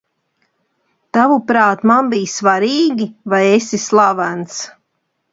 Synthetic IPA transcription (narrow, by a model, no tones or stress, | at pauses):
t̪avupɾaːt̪manbiːjsvaɾiːɡʲivajesislˠavans